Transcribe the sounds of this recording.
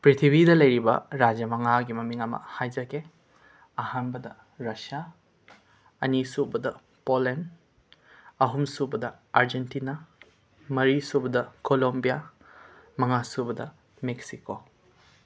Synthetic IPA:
pɾitʰibidɐlɐjɾibɐ̰ɾad͡ʒjɐmɐŋaɡimɐmiŋɐmɐ̰hajd͡ʒɐke | ɐhanbɐdɐ | ɾɐsia | ɐ̰nisubɐdɐ | polen | ɐɦumsubɐdɐ | aɾd͡ʒentina | mɐɾisubɐdɐkolombija | mɐŋasubɐdɐ | meksiko

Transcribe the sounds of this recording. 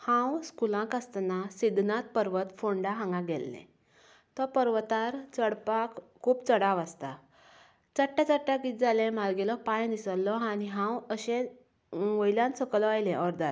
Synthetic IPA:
hãwskulãkast̪nasid̪nãt̪̚pəɾʋət̪foɳɖaɦãŋɡaɡɛlːḛ̃ | t̪ɔpəɾʋt̪aɾt͡səɽpakkʰːuːpt͡səɽaʋast̪a | t͡səʈːat͡səʈːakit̪̚d͡zalẽmalɡelɔpãjnd̪isəlːɔɦaniɦãwəɕẽ | ʋojljãnsəklɔajlẽʔɔɾd̪aɾ

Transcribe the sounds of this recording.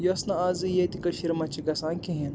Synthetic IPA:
josnɐazɨjet̪ikɐʃiɾmɐt͡ʃiɡɐsaːŋkiɦen

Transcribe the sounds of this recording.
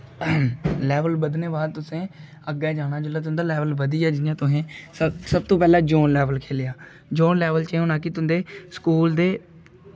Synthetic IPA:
lɛːʋəlbəd̪neːbaːd̪̚t̪ʊsẽː | əɡɛːd͡ʒaːñaːd͡ʒʊlːaːt̪̬ʊ̃nd̪aːlɛːʋəlʋəd̪iːɛːd͡ʒɪnjãːt̪ʊẽːsəsəb̚t̪õːpɛːlãːd͡ʒoːnlɛːʋəlkʰeːlɪjaː | d͡ʒoːnlɛːʋəlt͡ʃeːoːnaːk̬ɪt̪̬ʊnd̪eːskuːld̪eː

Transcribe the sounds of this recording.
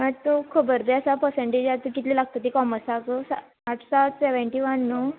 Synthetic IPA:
mət̪okʰəbəɾd̪easapəɾsẽɳʈed͡ʑat̪əkit̪lilaɡ̚t̪ət̪ikɔməsakəsa | aʈʰsat̪seʋəɳʈiʋənːo

